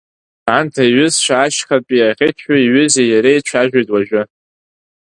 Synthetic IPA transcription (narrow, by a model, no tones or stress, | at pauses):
antʰaiɥʏzʃʷʰaːʃχapʼiaʁʲɪtʰħaiɥʏzejaɾejt͡ʃʷʰaʒᶣʷajtʼwaʒʷᶣʊ